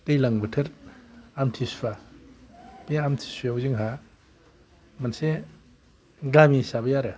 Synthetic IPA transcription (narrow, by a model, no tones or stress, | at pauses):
tejlaŋbɯtʰɯɾamtʰisba | pijamtʰi̥sjawziŋɦa | manse | ɡlamisabɐjaɾɯ